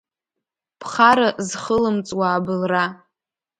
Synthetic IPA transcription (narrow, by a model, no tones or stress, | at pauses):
pʰχaɾazχəlɨmt͡sʼwaːbɨlra